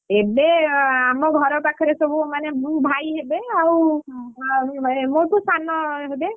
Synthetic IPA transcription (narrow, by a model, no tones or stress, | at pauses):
ebeamɔɡʱɔɾɔpakʰɾesɔbumanebʱajɦebeaw | moʈ̪osanɔɦebe